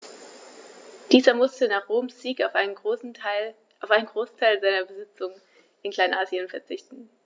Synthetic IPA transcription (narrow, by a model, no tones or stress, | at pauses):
d̥iːzɐmʊstənaːχʁ̥oːmsz̥iːkn | aʊfʔaɪnənɡʁoːstʰaɪlzaɪnɐbəzɪt͡sʊŋən | ʔɪnklaɪnʔaːziənfɛɐt͡sɪçtn̩